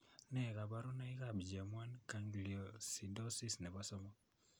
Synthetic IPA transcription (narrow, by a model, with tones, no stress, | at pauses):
nɛ˨ka˨ba˦ɾɔ˦na˦i˦ka˦˨bd͡ʒa˨mwa˦nka˨ŋɡli˨o˨si˨dɔ˦si˦snɛ˨ba˦sɔ˦mɔ˦